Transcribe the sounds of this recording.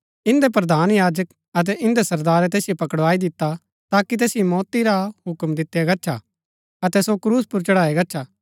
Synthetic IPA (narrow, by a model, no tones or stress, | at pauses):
ɪ̃nd̪ep̬ɾɐd̪ʱaːnjaːd͡ʒək | ɐt̪̬ɛʔɪ̃nd̪esɐɾd̪aːɾɛt̪̬eːsɪjopɐkəɽʋaːid̪ɪt̪ːa | t̪aːkit̪̬eːsɪjomɔːt̪iɾaɦʊkmd̪ɪt̪ːjaɡɐtːʃʰa̰ | ɐt̪ɛsokɾuːspʊɾt͡ʃɐɽaːeɡɐtːʃʰaː